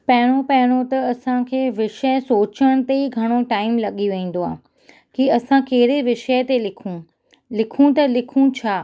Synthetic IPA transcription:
pɐɦɪɽ̃opɐɦɪɽ̃ot̪ɐɐsãkʰeːʋɪʃəsoːt͡ɕəɽ̃̆t̪eiɡʱɐɽ̃oʈaːɪmlɐɠiʋẽĩːn̆d̪oãː | kiɐsãkeɦɪɾeʋɪʃət̪elɪkʰũ | lɪkʰũt̪ɐlɪkʰũt͡ɕʰaː

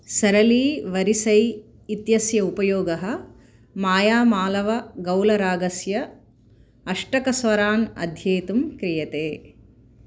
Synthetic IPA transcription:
sɐɾɐliːʋɐɾisɐj | it̪jɐsjɐupɐjoːɡɐɦɐ̆ | maːjaːmaːlɐʋɐɡɐwlɐɾaːɡɐsjɐ | ɐʂʈɐkɐsʋɐɾaːnɐ̰d̪ʱjeːt̪umkɾijɐt̪eː

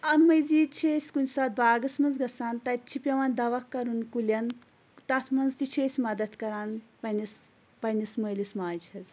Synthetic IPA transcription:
ɐnmɐjziːt͡ʃʰeːsʲkunʲsaːt̪̚baːɡɐsmɐnzɡɐsaːnt̪ɐt̚ʲt͡ʃʰipʲɐʋand̪ɐʋɐkːɐɾunkulʲɐn | t̪ɐt̪ʰmɐnzt̪it͡ʃʰeːsʲmɐd̪ɐt̪kɐɾaːnpɐnis | pɐnisməːlismaːd͡ʒhɐz

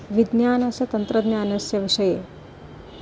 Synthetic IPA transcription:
ʋid̪njaːnɐsɐt̪ɐnt̪ɾɐd̪nʲjaːnɐsjɐʋiʂɐjeː

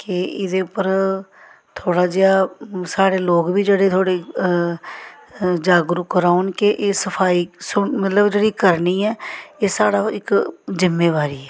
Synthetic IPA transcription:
kɪɪd̪eːʊpːəɾ | t̪ʰoːɽaːd͡ʒɪaːsaːɽeːloːkbiːd͡ʒeːɽeːt̪ʰoːɽeː | d͡ʒaːɡɾʊkəɾaːʊnkɪʔeːsəpʰaːiːsomət̪ləbd͡ʒeːɽiːkəɾniːɛːeːsaːɽaːɪkzɪmːeːʋaːɾiːɛː

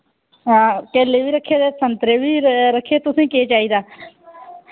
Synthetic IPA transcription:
ɦãːpɛːleːʋiːɾəkʰːeːd̪eːsənt̪ɾeːʋiːɾəkʰːeːt̪ʊsĩːkeːt͡ʃaːiːd̪aː

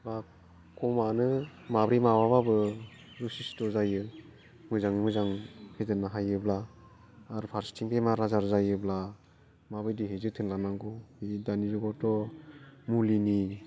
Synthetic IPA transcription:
ba | kɔmanɯmabɾimawababɯ | ɾusistɔzajɯ | mɯzaŋmɯzaŋhezɯnaɦajɯblaː | ɾpʰaɾstʰiŋpemaɾazaɾzajɯbla | mabɯjdiɦezɯtʰɯnlanaŋɡɔhidaniɾuɡɔtɔ | mulini

